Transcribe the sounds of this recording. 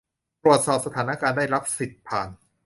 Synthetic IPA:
t̪ɾu˨˩ət̪̚sɔː˨˩p̚sa˧t̪ʰaː˩˦na˦˧kaː˧ndaː˥˩jɾa˦˥p̚si˨˩t̪̚pʰaː˨˩n

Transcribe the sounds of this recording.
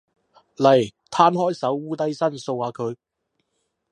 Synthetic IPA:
lɐ˨˩jt̪ʰaː˥nhɔː˥jsɐ˨˥wːuː˥t̪ɐ˥jsɐ˥nso˧waː˧kʰɵ˨˧ɥ

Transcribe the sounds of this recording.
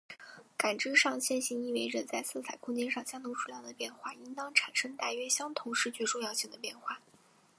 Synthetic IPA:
ka˨˩nʈ͡ʂɻ̩˥ʂɑ˥˧ŋɕjɛ˥˧nɕi˥ni˥˩we˧˥ɪɻə˨˩nt͡sa˥˧ɪsɹ̩˥˩t͡sʰa˨˩ɪkʰʊ˥˧ŋt͡ɕjɛ˥˧nʂɑ˥˩ŋɕjɑ˥ŋt̪ʰo˥ʈ͡ʂʰu˥˩jɑ˥˩d̪ə˩pjɛ˥˧nxwa˥˩i˥nt̪ɑ˥ŋʈ͡ʂʰa˨˩nʂɤ˥ŋt̪a˥˩ɥɛ˥ɕjɑ˥ŋt̪ʰʊ˧˥ŋʂɻ̩˥˧t͡ɕɥɛ˥˧ʈ͡ʂjɑ˥˧ʊɕi˥˩ŋd̪ə˩pjɛ˥˧nxwa˥˩

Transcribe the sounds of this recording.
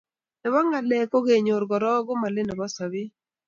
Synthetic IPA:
ɛ˨wa˦ŋa˨lɛ˨ko˦ɡe˨ɲo˨ɾɡɔ˨ɾɔ˦ɡo˦ma˨lɪ˦ne˨wa˦sa˨βɪ˦

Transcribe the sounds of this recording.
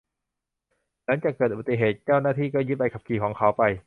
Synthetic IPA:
la˩˦˥ŋt͡ɕaː˨˩kːɤː˨˩ʔu˧ba˨˩i˧˩ɦeː˨˩t̪̚t͡ɕaː˥˩wnaː˥˩t̪ʰiː˥˩kɔː˥˩jɯ˦˥t̪̚pa˧jkʰa˨˩p̚kʰiː˨˩kʰɔː˩˦ŋkʰa˨˦wpa˧j

